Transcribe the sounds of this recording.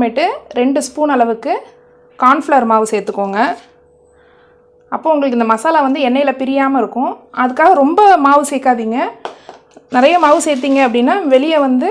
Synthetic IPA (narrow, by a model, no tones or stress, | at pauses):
meʈːɯɾɛɳɖɯspuːnɐɭɐʋɯkːɯ | kaːnfɭɐɾmaːʋɯsɛeːɾt̪ːɯkːoːŋɡɐ | ɐpːoːʊŋɡɐɭɯkːɪnd̪ɐmɐsaːlɐʋɐnd̪ɯɛnːɐjɪlɐpɪɾɪjaːmɐɪɾɯkːʊ̃ɐðɯkːaːɣɐɾɔmbɐmaːʋɯsɛːkːaːðiːŋɡɐ | nɪɾɐjɐmaːʋɯseːɾt̪̬ːiːŋɡɐːpːɐɽɪnːaːʋɛɭɪjɐʋɐnd̪ɯ